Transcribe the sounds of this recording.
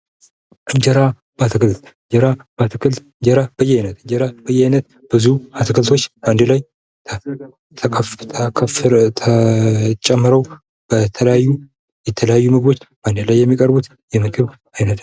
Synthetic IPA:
ʔɨɲd͡ʒəɾa | bat̪ʰɨkɨlt̪ | d͡ʒəɾab̥at̪ʰɨkʰɨlt̪ɨɲd͡ʒəɾab̥əjːɛajnət̪ɨɲd͡ʒəɾab̥əjːɛajnət̪ | b̥ɨzuat̪ʰɨkʰɨlt̪ʰo̞t͡ʃːband̪ɨlaj̪ʰ | t̪ʰkʰft̪ʰət͡ʃʼːɛmːɨɾəw | b̥ət̪ʰələjajːu | jɛt̪ʰələjajːumɨɡbo̞t͡ʃːb̥and̪ɨlajːɛmːikʼəɾbut̪ | jɛmɨɡɨβ | ajnət̪

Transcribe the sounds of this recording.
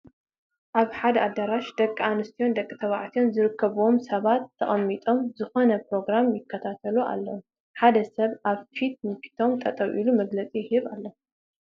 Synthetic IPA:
ʔaβħad̪ɐad̪ːaɾaʃd̪ɐkʼːanɨst̪ʰijo̞nd̪ɐkʼːɨt̪ʰɐβaʕt̪ʰio̞nzɨɾɨkʰːɐβuwo̞msɐβat̪ʰːɐχʼɐmːit̪ʼo̞mzɨxo̞nɐpɾo̞ɡɾamjɪkʰːɐt̪ʰat̪ʰɐlua̰lːɐw | ħad̪ɐsɐβʔaβfit̪̚nɨfi̥t̪ʰo̞mt̪ʼɐt̪ʼɐwʔḭlumɐɡlɐt͡sʼijɪhɨβalːɐ

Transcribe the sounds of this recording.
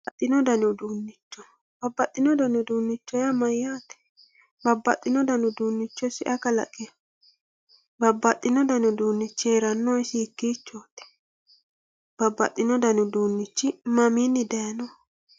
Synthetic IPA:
ɐt̪ʼːɪnɔd̪ɐnɪd̪uːnːɪt͡ʃːɔ̥ | b̥ɐbːɐt̪ʼːɪnɔd̪ɐnʊd̪uːnːɪt͡ʃːɔjɐmɐjːaːt̪ɛ̥ | bɐbːɐt̪ʼːɪnɔd̪ɐnʊd̪uːnːɪt͡ʃːɔsɪʔɐkɐlɐ̰kʼːɛj | bɐbːɐt̪ʼːɪnɔd̪ɐnɪʊd̪uːnːɪt͡ʃːɪeːɾɐnːɔɪsɪːkːit͡ʃːoːt̪ɛ̥ | b̥ɐbːɐ̰t̪ʼːɪnɔd̪ɐnʊd̪uːnːɪt͡ʃːɪmɐminːɪd̪enɔ

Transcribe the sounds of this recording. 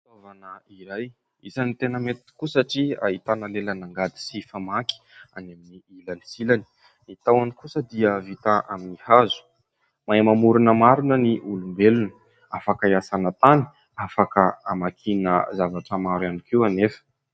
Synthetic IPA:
t̪ovanəiɾaj | isanit̪enəmet̪i̥kusaʈ͡ʂia̰ɦit̪anəlelənaŋɡad̪i̥sifamaki̥aneminiilanisilani̥ | it̪awanikusəd̪iəvit̪aʔaminihazu̥ | majmamuɾunəmaɾunəniʔulumbelunə | afakaiasanət̪ani̥ | afakəamakʰinə̰zavaʈ͡ʂəmaɾwanikiwanefə̥

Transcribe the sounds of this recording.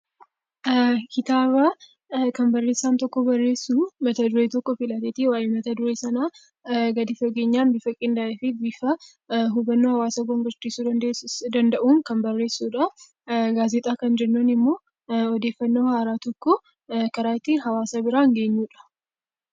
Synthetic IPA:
kɪt̪aːβa | kɐmbɐrːe̞ːsːaːnt̪ɔkːɔbɐrːe̞ːsːuːmɐt̪ɐd̪ʊɾet̪ɔkːɔfɪlɐt̪eːt̪iwaːjɛmɐt̪ɐd̪ʊɾeːsɐnaː | ɡɐd̪ɪfɔɡe̞ːɲːaːnbifɐkʼɪnd̪aʔɛfɪbifɐ | ɦʊbɐnːoːhɐwaːsɐɡɔŋɡɐɾt͡ʃːiːsuːd̪ɐd̪ɐnd̪ɐʔuːŋkɐmbɐrːe̞ːsːuːᶑɐ | ɡaːzɛt̪ʼaːkɐnd͡ʒɛnːonɪmːo̞ː | ɔd̪eːfːɐnːoːhaːɾaːt̪ɔkːɔ | kɐɾaːɪt̪ːiɦɐwaːsabɪɾaːŋɡe̞ːɲːuːᶑɐ̥

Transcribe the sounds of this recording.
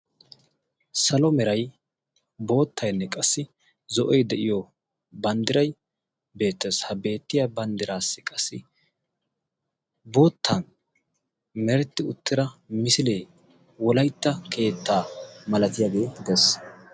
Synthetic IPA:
sɐlɔmɛɾɐj | bo̞ːt̪ːɐjnːɛkʼɐsːɪ | zɔʔɔjd̪ɛʔɪjɔ | bɐnd̪ɪɾɐj | be̞ːt̪ːeshɐbe̞ːt̪ːɪjabɐnd̪ɪɾaːsːɪkʼɐsːɪ | bo̞ːt̪ːɐn | mɛɾɛt̪ːɪʊt̪ːɪɾɐmɪsɪleː | wɔlɐjt̪ːɐkʰe̞ːt̪ːaːmɐlɐt̪ɪjaːɡe̞ːd̪ɛs

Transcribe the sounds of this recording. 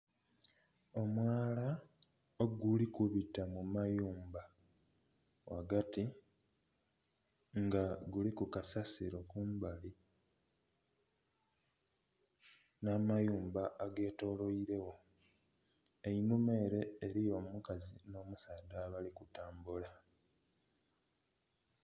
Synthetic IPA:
o̞mwaːla | oɡulikuβitːamumajuːmba | waɡati | ŋɡaɡulikukasasiɾo̞kuːmbali | namajuːmbaʔːɡe̞ːto̞ːlo̞iɾe̞wo̞ | einume̞ːɾe̞ːɾijo̞mukazino̞ːmusaːdaːβalikutaːmbula

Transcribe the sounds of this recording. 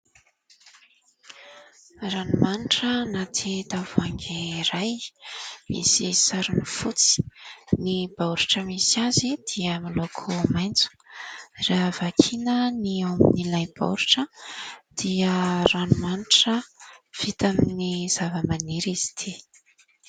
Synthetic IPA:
ranumaniʈ͡ʂənat̪ʰit̪avaŋɡiɾaj | mḭsisaɾunifut͡si̥nib̥awɾiʈ͡ʂəmisiazid̪̥iəmalokʰumajnt͡su̥ | ravakʰinəniominilajb̥a̰wɾiʈ͡ʂəd̪̥iəranumaniʈ͡ʂəv̥it̪aminiz̥avəmaniɾizi̥t̪ʰi

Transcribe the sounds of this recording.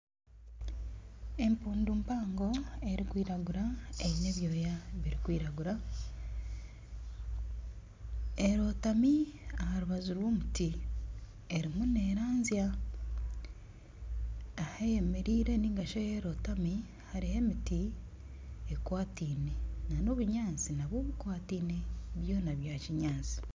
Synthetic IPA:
empuːndumpaːŋɡo̞e̞ɾikwiːɾaɡuɾaeβine̞βjo̞ːjaβiɾikwiːɾaɡuɾa | eɾo̞tamiahaɾuβazuɾwo̞ːmuti | e̞ɾimune̞ɾaːnzja | ahajeme̞ɾiːɾe̞niŋɡaʃojeɾo̞tami | haɾihe̞miti | ekwaːtiːne̞nanoβuɲaːnt͡sinaβwoːβukwaːtiːne̞βjo̞ːnaβjaːciɲaːnsi̥

